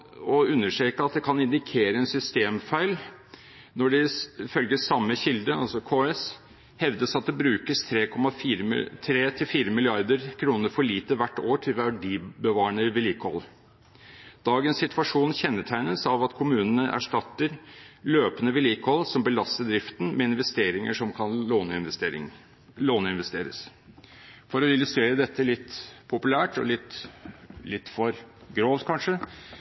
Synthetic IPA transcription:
ɔʉnːəʂʈɾeːkəɑt̪̚d̪ɛkʰɑnɪnd̪ɪkʰeːɾəɛnsʏst̪eːmfæɪl | nɔɖɛfœlɡəsɑmːəçɪld̪əɑ̰lsɔkʰoːɛs | hɛʋd̪əsɑt̪̚d̪ɛbɾʉːkəst̪ʰɾeːkʰɔmɑfiːɾt̪ʰɾeːt̪ʰɪlfiːɾəmɪlɪɑɾd̪əɾkʰɾuːnəɾfɔɭiːt̪əʋæʈːoːʈʰɪlʋæɖibəʋɑːəɳəʋɪliːkɔ̰l | d̪̥ɑːɡənssɪt̪ʰʋɑʂuːnçɛnːəʈ̪ʰæɪnəsɑʋɑt̪kʰʊmʉːnən̩əʔæ̰ʂʈɑt̪ːəɾløːpənəʋɪliːkɔlsɔmbəlɑst̪əd̪ɾɪft̪n̩mɛɪnʋɛst̪eːɾɪŋəʂɔmkʰɑnoːnɪnː | loːnəɪnʋɛst̪eːɾəs | fɔɾɔɪlʉst̪ɾeːɾəd̪ɛt̪ːəlɪt̪ːpʰʊpʉlæːʈɔ̰lɪt̪ː | lɪt̪ːfɔɾɡɾoːʋt̪kʰɑnʂə

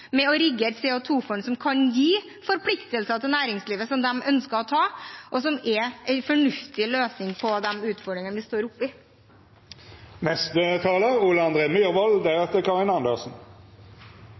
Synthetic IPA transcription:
mɛɔɾɪɡːəɛt̪sɛːɔt̪ʰuːfɔɳsɔmkʰɑnjiː | fɔɾpʰlɪkt̪əlsət̪ɪlnæːɾɪŋsliːʋəsɔmd̪ɛmʔœnskəɾɔt̪ʰɑːʔɔsɔmɛɛɪfɔɳʉft̪ɪløːsnɪŋpʰɔd̪ɛmʉːt̪fɔɖɾɪŋənʋɪst̪oːɾʊpːɪ | nɛst̪ət̪ʰɑːləʁuːləɑnd̪ʁeːmyːʁʋɔld̪æʁɛft̪əkʰɑʁɪnɑnd̪əlsn̩

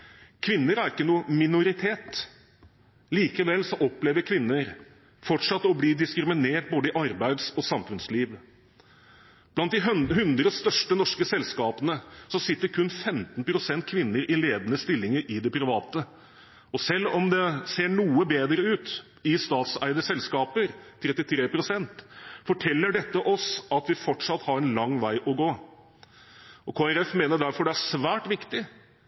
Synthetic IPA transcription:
kʰʋɪnːəɾæɾɪkːənuːəmɪnʊɾɪt̪ʰeːt̪ | liːkəʋɛlsɔʔɔpːleːʋəɾkʰʋɪnːəɾ | fɔʈʂɑt̪ːəɔbliːd̪ɪskɾɪmɪneːʈ̚boːd̪əɪʔɑɾbæɪd̪sɔsɑmfʉnsliːʋ | b̥lɑnt̪̚d̪ɪɦʉnd̪ɾəst̪œʂʈənɔʂkəsɛlskɑːpənəsɔsɪt̪ːəɾkʰʉnːfɛmt̪npʰɾʊsɛnt̪̚kʰʋɪnːəɾʔɪleːd̪ənəst̪ɪlːɪŋəɾɪd̪ɛpʰɾɪʋɑːt̪ə | ɔsɛlːɔmd̪ɛseːɳuːəbeːd̪ɾəʉːt̪ | ɪst̪ɑːt̪sæ̰ɪd̪əsɛlskɑːpəɾt̪ʰɾɛt̪ːɪt̪ʰɾeːpɾʊsɛnt̪fɔʈʰɛlːəɖɛt̪ːəʔɔsɑt̪ʋɪfɔʈʂɑt̪ːhɑɾɛnlɑŋːʋæɪʔɔɡoː | ʔɔkʰoːɛɾɛfmeːnəɖ̪æɾfɔɖɛæʂʋæːʈʋɪkt̪ɪ

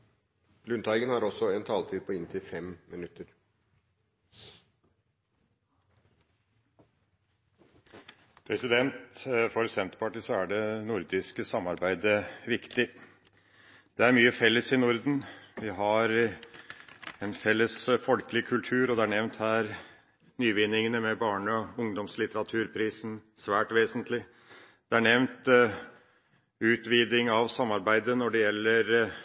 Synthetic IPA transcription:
lʉnt̪ʰɑɪɡənhɑɾɔsːɔɛnt̪ʰɑːlt̪ʰiːd̪̚pʰɔɪnt̪ʰɪfɛmmɪnʉt̪ːəɾ | pʰɾɛsɪd̪ɛnt̪fɔɾsɛnt̪əpɑʈisɔæɖɛnʊɾd̪ɪskəsɑmːɑɾbæɪd̪əʋɪkt̪ɪ | d̪̥ɛæɾmyːəfɛlːəsɪnʊɾd̪nʋɪɦɑɾ | ɛnfɛlːəsfɔlkəlɪkʰʉlt̪ʰʉːɾɔd̪ɛæɳɛʋnt̪hæːɾ | nyːʋɪnːɪŋənəmɛbɑːɳəɔʊŋd̪ɔmslɪt̪əɾɑt̪ʰʉːɾpʰɾiːsənsʋæːʈʋeːsənt̪lɪ | d̪̥ɛæɳɛʋnt̪ | ʉːt̪ʋiːd̪ɪŋɑʋsɑmːɑɾbæɪd̪ənɔɖɛjɛlːəɾ

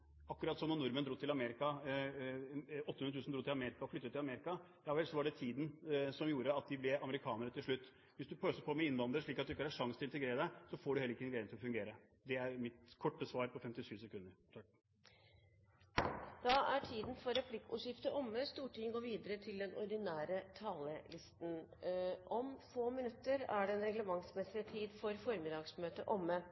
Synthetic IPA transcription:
ɑkːʉɾɑt̪sɔmnɔɳnʊɾmənd̪ɾuːt̪ʰːɪlɑmeːɾɪkɑ | ɔt̪ːhʉnət̪ʉːsn̩d̪ɾuːt̪ɪlɑmeːɾɪkɑɔfʏt̪ːət̪ːɪlɑmeːɾɪkɑd̪æʋɛlsɔʋɑɖɛt̪ʰiːd̪n̩sɔmjuːɾəɑt̪̚d̪ɪblɛɑməɾɪkʰɑːnəɾət̪ʰɪlʂɭʉt̪ː | ʋɪsd̪ʉpʰøːsəpʰɔmɛɪnʋɑnd̪əɾəʂɭiːkɑt̪̚d̪ʉɪkːəɑɑʂɑŋst̪ʰɪnt̪əɡɾeːɾəd̪ɛsɔfoːɖʉhɛlːɾɪkːəɛnɡɾæɪənʰɪlɔfʉŋɡeːɾə | d̪ɛæɾmɪt̪kʰɔʈːəsʋɑːɾpʰɔfɛmt̪ɪʂyːʋsɛkʰʉnːəɾt̪ʰɑk | d̪̥ɑæʈʰiːd̪n̩fɔɾɛpʰlɪkːʉ̰ːʂɪft̪əʔɔmːəst̪uːʈʰɪŋɡoːɾʋiːd̪əɾət̪ʰɪld̪ɛnɔɾɖɪnæːɾət̪ʰɑːləlɪst̪n̩ʔɔmfoːmɪnʉt̪ːəɾæɖɛɛnɾɛɡləmɑŋsmɛsɪt̪ʰiːd̪fɔɾfɔɾmɪd̪ɑːɡsmøːt̪əʔɔmːə

